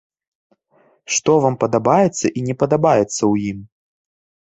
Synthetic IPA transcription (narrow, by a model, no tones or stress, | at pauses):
ʂt̪ɔvampɐd̪abajɛt̪sːɐʔinʲɛpɐd̪abajɛt̪sːɐwjim